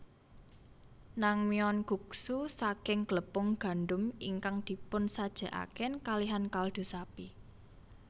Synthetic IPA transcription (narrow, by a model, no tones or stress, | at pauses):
naŋmiɔnɡ̥ṳksusakɪŋɡ̥ələpʊŋɡ̥a̤nɖʊmiŋkaŋd̪̥i̤pʊnsad̥ʒ̥ä̤ʔa̰kɛnkaliɦankald̪̥ṳsapi